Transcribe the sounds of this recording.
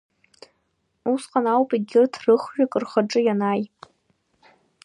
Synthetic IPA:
usqʼanawpʼiɡʲɪrtʰrɨχʒᶣakʼɨrχaʈ͡ʂʼɨjanaj

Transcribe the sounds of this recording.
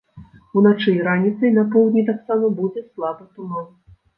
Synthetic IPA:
unat͡ʂɨɾanʲit̪sɐjnɐpɔwd̪ʲnʲit̪aksamɐbud͡zʲɛslˠabɨt̪uma

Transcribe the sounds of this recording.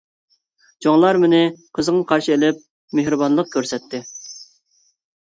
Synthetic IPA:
d͡ʒoŋlˠɑɾmɪnɪqʰəzəŋɑqʰɑɾʃɨelɪp̚ | meɦɾɨbɑnlˠəq̚kʲʰøɾsɛt̪ʰːɪ

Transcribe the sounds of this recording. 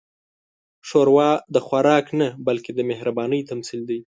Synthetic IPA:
ʃoɾwɑd̪əxwaɾɑknabalked̪əmehɾabɑnəjt̪amsild̪aj

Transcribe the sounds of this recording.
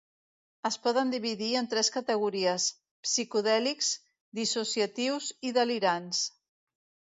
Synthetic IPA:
əspɔðənd̪iβ̞iðiənt̪ɾɛskət̪əɣuɾiəs | psikuðɛlikz̥ | d̪isusiət̪iwziðəliɾans

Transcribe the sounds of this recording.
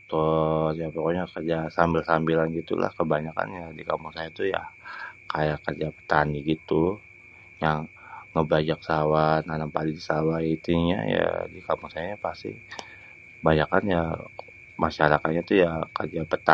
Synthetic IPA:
t̪ɔtjapokoɲakərd͡ʒasambilsambilanɡit̪ṵla̰hkəbaɲaka̰njadikamuŋsajat̪uja̰kajakərd͡ʒapə̥t̪aniɡit̪u | jaŋː | əbad͡ʒaksawananampalidisawait̪iɲa̰ja̰dikamuŋsajaɲapast̪ḭ | baɲakanja | maʃaɾakat̪̚ɲat̪ujakərd͡ʒapət̪a

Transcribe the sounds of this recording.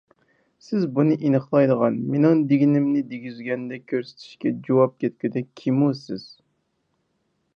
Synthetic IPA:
sɪzbunɨʔinəχlˠɑjd̪əʁɑnmenɪŋd̪ɪɡʲinɪmnɪd̪eɡʲyzɡʲɛnd̪ɛkʲʰøɾsɪ̥t̪ʰɪ̥ʃkʲɛd͡ʒowɑp̚kʲʰɛt̪̚kʲyd̪ɛkʲkʲʰimusɪz̥

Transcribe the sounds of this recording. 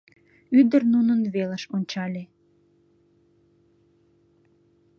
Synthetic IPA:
yd̪ərnunənβeləʃonʲt͡ɕɑlʲe

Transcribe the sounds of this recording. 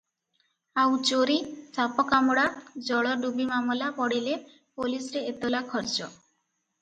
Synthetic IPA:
awt͡ʃoɾisapɔkamuɽad͡ʒɔɭɔɖubimamɔlapɔɽile | polisɔɾeet̪ɔlakʰɔɾt͡ʃɔ

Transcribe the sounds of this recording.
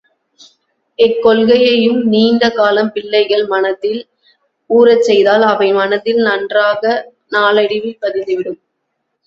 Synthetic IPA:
ɛkːɔlɣɐjɐjɯmniːnd̪ɐkaːlɐmpɪɭːɐɪɣɐɭmɐnɐt̪ːɪl | uːɾɐt͡ʃːɛjðaːlɐʋɐɪmɐnɐt̪ːɪlnɐndraːɣɐ | naːlɐɽɪʋɪpːɐðɪnd̪ɯʋɪɽɯm

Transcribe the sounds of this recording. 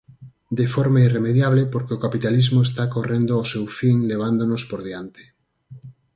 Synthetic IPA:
d̪efoɾmairemeðjaβlepoɾkeokapit̪alizmoes̬t̪akorend̪oasewfiŋleβ̞and̪onospoɾðjant̪e̥

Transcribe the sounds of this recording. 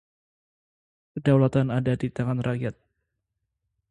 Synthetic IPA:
kədawlat̪anadadit̪aŋanraʔjat̪̚

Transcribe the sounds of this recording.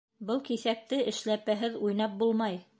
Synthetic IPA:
bɤlˠkiθæk̚t̪ɘɘ̆ʃlæpæɦɘðujnɑp̚bulˠmɑj

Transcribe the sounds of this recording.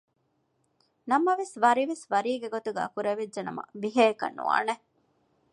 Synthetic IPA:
nɐmɐʋesʋɐɾiʋesʋɐɾiːɡeɡot̪uɡæ̰ːkuɾɐʋedʒɐnɐ̰mɐ̰ʋiɦeːkɐ̰nːṵa̰ːne

